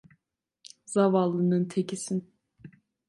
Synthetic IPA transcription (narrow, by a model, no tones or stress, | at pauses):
zavalˠːɯnɯnt̪ʰecʰisin